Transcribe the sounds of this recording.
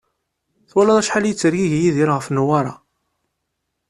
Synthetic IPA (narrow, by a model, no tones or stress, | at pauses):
θwælɑðˤæʃħaljət͡sːəɾjiʝjiðiɾʁəfnwaɾˤɑ̰